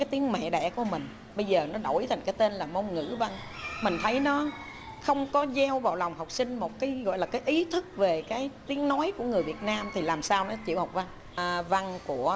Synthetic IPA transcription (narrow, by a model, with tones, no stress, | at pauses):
aː˨˦jt̪i˨˦əŋmɛ̰˧˨ɗɛ̰˧˩ku˧˩əmï˨˩ŋ̟ | ɓə˧jzəː˨˩nɔ˨˦ɗo̰˧˩jt̪ʰa˨˩ŋ̟kaː˨˦jt̪e˧nlaː˨˩mo˧nŋɨ̰˧˥va˧ŋ | mï˨˩ŋ̟t̪ʰə˨˦jnɔ˨˦ | xə˧wŋ͡mkɔ˨˦zɛ˧wva̰ː˧˨˩wla˨˩wŋ͡mɦa˨˩wk͡p̚sï˧ŋ̟mo˨˩t̚kaː˨˦jɣɔ̰˧˨jlaː˨˩kaː˨˦jʔi˨˦t̪ʰɨ˦˥k̚ve˨˩kaː˨˦jt̪i˨˦əŋnɔ˨˦jku˧˩əŋɨ˨˩əjvi˨˩ət̚naː˧mt̪ʰi˨˩laː˨˩msaː˧wnɔ˨˦t͡ɕḭ˧˨əwha˨˩wk͡p̚va˧ŋ | va˧ŋku˧˩ə